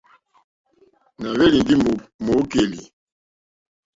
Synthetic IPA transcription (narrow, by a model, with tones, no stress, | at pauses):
na˨βe˦li˨ndi˦mo˨˦ke˨li˨